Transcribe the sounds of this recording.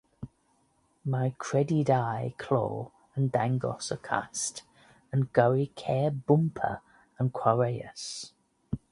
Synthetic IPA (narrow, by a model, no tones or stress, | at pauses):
maɪkʰɹ̥ɛdidaɪkʰl̥ɔ̰ː | ə̃ndãŋɡɔ̰səkʰa̰st | ə̃nɡ̥əwikʰɛːbʊ̃mpʰə̰ | ə̃nkʰw̥aɹeɪə̰s